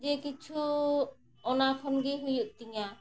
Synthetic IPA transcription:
d͡ʒekit͡ʃʰu | ɔnakʰɔnɡeɦujuʔt̪iŋa

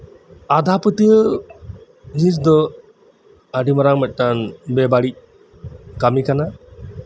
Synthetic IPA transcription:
ad̪ʱapət̪iə | d͡ʒis̬d̪ɔ | aɖimaɾaŋmɛt̪̚ˀʈanbɛbaɽic̚ | kamikana

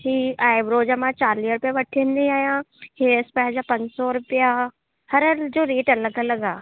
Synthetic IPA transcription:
hiːaːɪbɾoːd͡ʑəmãt͡ɕaːɾliɾʊpijaʋɐʈʰĩənd̪iaːɦijãheːspɐ̃ɦɪ̃ɲd͡ʑapɐ̃ɲd͡ʑsɔɾʊpija | hɐɾəd͡ʑoːɾiːʈənlɐɡʱə̃lɐɡaː

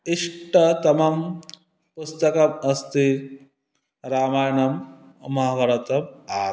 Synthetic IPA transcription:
iʂʈɐt̪ɐmɐm | pust̪ɐkɐmɐst̪i | ɾaːmaːjɐɳɐmː | ɐɦʋɐɾɐt̪ɐmaː

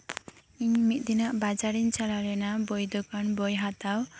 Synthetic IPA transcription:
iɲmit̪̚ˀd̪inaʔbad͡ʒaɾiɲt͡ʃalaɾɛnabɔjd̪ɔkanbɔjɦat̪aw

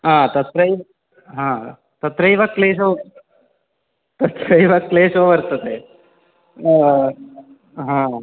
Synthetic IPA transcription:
ɦãt̪ɐt̪ɾəi | ɦã | t̪ət̪ɾəiʋakːleːso | t̪ɐt̪ɾəiʋakːleːsoʋəɾt̪ət̪e | ɦã

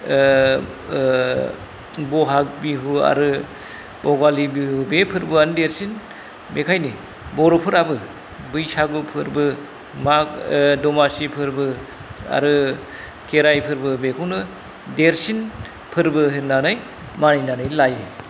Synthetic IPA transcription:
bɔɦak̚biɦua̰ɾɯ | ɔɡalibihubepʰɯɾbɯanɯdeɾsin | mekʰajni | bɔɾɔpʰɯɾabɯ | bɯjsaɡupʰɯɾbɯ | makdɔmasipʰɯɾbɯ | a̰ɾɯ | kʰeɾajpʰɯɾbɯbekʰuwnɯ | deɾsin | pʰɯɾbɯɦɯɾnanɯj | maninanɯjlajɯ

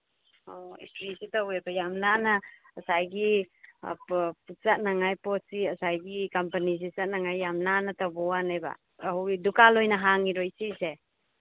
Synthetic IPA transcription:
ɔḭstɾisitawebajamnanaː | sajɡḭ | pʰut̚sat̚naŋajpɔt̚siɐsajɡikampanis̬isat̚naŋajːamnanatabɔwanajba̰ː | ɦuidukalojnaɦaŋiɾojsise

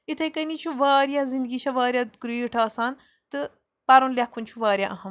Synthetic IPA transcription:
it̪ʰɐjkɐnit͡ʃʰuʋaːɾjazind̪ɡiːʃʰɐʋaːɾjaɡɾiːʈʰaːsaːn | t̪ɨ | pɐɾunlʲɐkʰːunʲt͡ʃʰuʋaːɾʲjaʔɐɦɐm

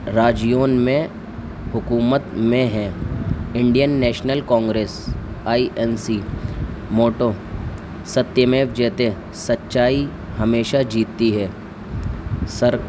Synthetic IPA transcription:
ɾaːd͡ʒijoːnmẽ | hʊkuːmət̪mẽɦɛ̃ːɪ̃ɳɖijənːɛːʃnəlkɔ̃ːŋɡɾeːs | aːiʔɛnsi | moːʈoː | sɐt̪ːjəmeːfd͡ʒɛːt̪e | sɐtːʃaːi | hɐmeːʃad͡ʒiːt̪ːiɦɛː | səɾ

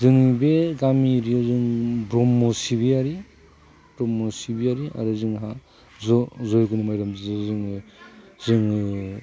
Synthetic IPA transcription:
zɯŋbeɡamiɾiɔzɯŋbɾɔmːɔsiβiaɾi | bɾɔmːɔsibiaɾia̰ɾɯzɯŋɦa | zɔzɔjɡunɯmajɾamzizzɯŋ | zɯŋ

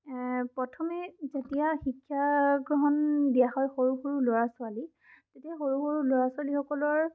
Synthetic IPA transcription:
pɹɔtʰɔmɛzetijaxikʰːjaɡɹɔɦɔnbiaxɔjxoɹuxoɹuloɹasʊali | tetiaxoɹuxoɹuloɹasʊalixɔkɔlɔɹ

